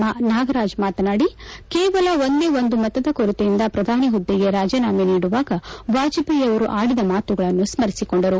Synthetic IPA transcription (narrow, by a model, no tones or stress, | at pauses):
anaːɡɐɾaːd͡ʒmaːt̪ɐnaːɽikeːʋɐlɐond̪e̞ːond̪umɐt̪ːɐd̪ɐkoɾut̪ejind̪ɐpɾɐd̪ʱaːniɦud̪ːiɡe̞ɾaːd͡ʒɐnaːmeniːɽuʋaːɡɐʋaːd͡ʒipɐjɐʋɐɾuʔaːɽid̪ɐmaːt̪uɡɐɭɐnːusmɐɾisiko̞ɳɖɐɾu